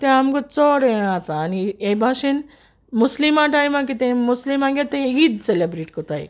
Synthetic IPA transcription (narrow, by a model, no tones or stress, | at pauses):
t̪ẽamɡot͡sɔɽeãt̪aːniebʱaʃin | muslimãʈajmãkit̪ẽmuslimãɡet̪eẽid̪selebɾiʈkɔt̪aj̰